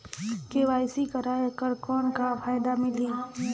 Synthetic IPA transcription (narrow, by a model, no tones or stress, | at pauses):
keʋaːjsikəɾaːjekəɾkɔːnkafʰaːjɪd̪amɪliː